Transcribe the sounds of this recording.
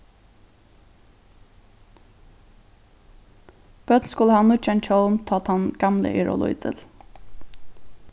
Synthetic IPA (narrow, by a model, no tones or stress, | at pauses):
b̥œd̪n̩skʊləhɑːnuːt͡ʃɛnt̪hɔlmt̪ʰɑːt̪hɑnɡ̥ɑmlə̰ʔɪɹɔ̰lʊ̰ʏd̪ʰə̰l